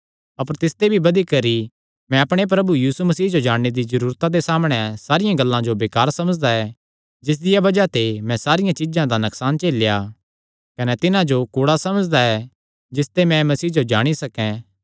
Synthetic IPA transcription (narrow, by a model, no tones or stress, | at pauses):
ɐpəɾt̪ɪst̪ebʱibɐd̪ikɐɾi | mɛ̃ɐpɽ̃ep̬ɾɐbujiːsumɐsiːɦd͡ʒod͡ʒaːɽned̪izɐɾuːɾt̪ãd̪esaːmɽ̃ɛsaːɾɪjãɡɐlːãd͡ʒobeːkaːɾsɐməd͡ʒd̪aɛ | d͡ʒɪs̬d̪ɪjabɐd͡ʒat̪emɛ̃saːɾɪjãt͡ʃɪd͡ʒãd̪anɐksaːnt͡ʃeːlja | kɐnɛt̪ɪnãd͡ʒokuːɽasɐməd͡ʒd̪aɛ | d͡ʒɪst̪emɛ̃mɐsiːd͡ʒod͡ʒaːɽ̃isɐkɛ̃